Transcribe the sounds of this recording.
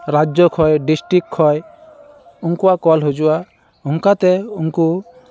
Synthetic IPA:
ɾad͡ʒjɔkʰɔjɖisʈɾikkʰːɔj | uŋkuakɔlɦud͡ʒua | uŋkat̪ɛuŋku

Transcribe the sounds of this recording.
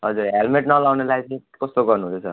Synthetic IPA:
ɦʌd͡zuɾɦelmeʈnʌlawnelajt͡sʌĩkʌst̪oɡʌrnuɦosʰʌ

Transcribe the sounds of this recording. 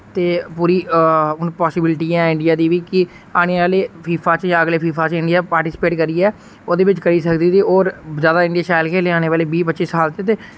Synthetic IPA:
t̪eːpuːɾiːʊnpɔːsɪbɪlʈiːɛːɪ̃ɳɖijaːd̪iːʋiːkɪ | aːɽ̃eːʋaːleːpʰiːpʰaːt͡ʃjãːəɡleːpʰiːpʰaːt͡ʃɪ̃ɳɖijaːpaːɾʈɪːspeːʈkəɾiːɛː | oːd̪eːbɪt͡ʃkəɾiːsəkd̪iːt̪iːoːɾzjaːd̪aːɪ̃ɳɖijaːʃaːɪlkʰeːleːaːñeːʋaːleːbiːpətːʃisaːlt̪et̪eː

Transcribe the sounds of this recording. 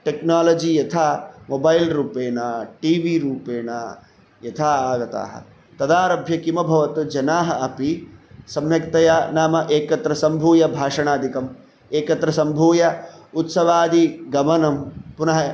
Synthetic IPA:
ʈeknaːlɐd͡ʒijɐt̪ʰaːmobɐjlɾuːpeːɳɐʈiːʋiɾuːpeːɳɐ | jɐt̪ʰaːaːɡɐt̪a̰ːɦɐ̰ | t̪ɐd̪aːɾɐbʱjɐkimɐbʱɐʋɐt̪ud͡ʒɐnaːɦɐɐpisɐmjɐkt̪ɐjaːnaːmɐʔeːkɐt̪ɾɐsɐmbʱuːjɐbʱaːʂɐɳaːd̪ʱikɐm | eːkɐt̪ɾɐsɐmbʱuːjɐut̪sɐʋaːd̪iɡɐmɐnɐmpunɐɦɐ

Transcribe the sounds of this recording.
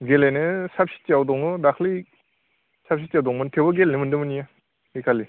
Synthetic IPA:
ɡelanɯsap̚sʰi̥t̚t͡ʃawdɔŋɯdakʰli | sap̚sʰit̚t͡ʃawdɔŋmɯntʰewbɐɡelnɯmɯndɯmɯnija | ikʰalːi

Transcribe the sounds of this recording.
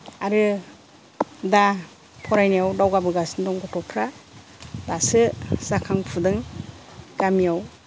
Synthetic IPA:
aɾɯ | da | pʰɔɾajnijawdawɡabɯɡasndɔŋɡɔtʰɔpʰɾa | dasɯsakʰaŋpʰudɯŋ | ɡ̥amijaw

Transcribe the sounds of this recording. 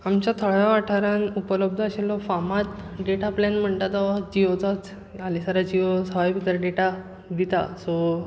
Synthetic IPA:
amt͡ɕat̪ʰəɭjaʋaʈʰaɾanupələb̚d̪ʱəəɕelːɔfamat̪ɖeʈaplenm̤əɳt̪at̪aʋad͡ʑiʋət͡sat͡s | alisaɾad͡ʑiʋəsəʋajbit̪əɾaɖeʈa | d̪it̪a̰sɔ

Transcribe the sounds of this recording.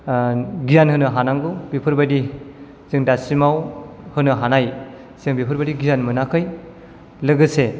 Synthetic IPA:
ɡijanhɯnɯɦanaŋɡɯbipʰɯɾbadi | zɯŋdasimawhɯnɯɦanaj | siɯŋbipʰɯɾbadiɡijanmɯnakʰɯj | lɯɡɯse

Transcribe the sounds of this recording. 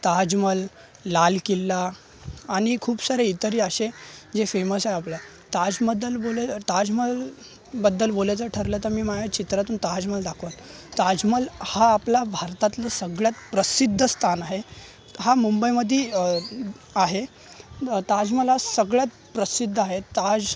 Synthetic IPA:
t̪ad͡ʑməlː | alkilːaː | ɽ̃ikʰuːbsaɾeit̪əɾiːaɕed͡zefeməsaɦjapla | t̪ad͡zməd̪əlbolt̪ad͡zməl | bəd̪ːəlbolajt͡səʈʰəɾlət̪əɾmiːmaɡat͡ɕit̪ɾat̪uːnt̪ad͡zməld̪akʰot̪ | t̪ad͡zməlhaːplabʱaɾt̪at̪lasəɡɭjat̪pɾəsid̪ʱːəst̪ʰanaɦe | ɦamumbəjməd̪ʱːiː | aɦe | t̪ad͡zməlasəɡɭjat̪ | pɾəsid̪ʱːaɦet̪ad͡z

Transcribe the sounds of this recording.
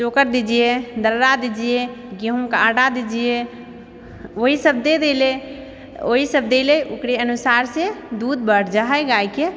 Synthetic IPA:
t͡ʃokəɾd̪id͡ʒijed̪əɾɾad̪id͡ʒijeɡeɦũkaɽad̪id͡ʒije | oɦisəb̚d̪ed̪ele | oɦisəbd̪eleʔukɾeənusaɾsed̪ud̪̚bəɽd͡ʒaɦɛjɡajke

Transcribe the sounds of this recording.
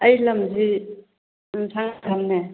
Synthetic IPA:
ɐjlɐmzi | sʰaŋɾʰamne

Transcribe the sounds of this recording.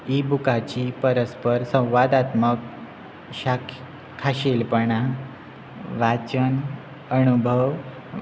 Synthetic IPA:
ibukat͡ɕipəɾəspəɾsə̃w̃ʋad̪at̪mək | ɕakʰ | kʰːaɕelpəɳa | ʋat͡ɕən | ənubʱəʋ

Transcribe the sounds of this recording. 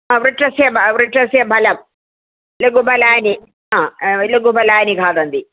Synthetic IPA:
aʋriʈrɐsjɐbʋriʈrɐsjɐbʱɐlɐm | lɐɡubʱɐlaːni | aːlɐɡubʱɐlaːniɡʱaːd̪ɐnd̪i

